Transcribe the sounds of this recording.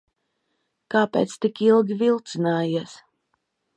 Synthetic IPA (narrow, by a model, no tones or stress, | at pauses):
kaːpḛːt̪st̪ikilˠɡʲivilˠt̪sinaːjiɛs